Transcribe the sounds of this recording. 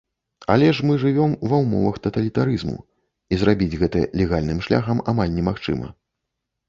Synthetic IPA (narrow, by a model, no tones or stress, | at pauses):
a̰lʲɛʂmɨʐɨvʲɔmuvɐwmɔ̰vɐxt̪ɐt̪ɐlʲit̪aɾɨzmṵ | izɾabʲid͡zʲɣɛt̪ɐ̰lʲɛɣalʲnɨmʂlʲa̰xɐmamalʲnʲɛmaxt͡ʂɨ̰mɐ̰